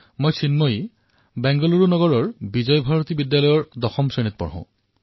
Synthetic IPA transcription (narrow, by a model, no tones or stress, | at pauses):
mojsʰinmɔj | bɛŋɡɔluɹunɔɡɔɹɔɹbid͡ʑɔjbʱaɹot̪ibidjalɔjɔɹd̪ɔxɔmsenit̪̚pɔ̰ɹɦʊ̰̃